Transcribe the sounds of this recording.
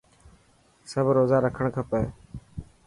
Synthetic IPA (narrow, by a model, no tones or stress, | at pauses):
səbɾoːzaːɾəkʰəɳkʰəpəː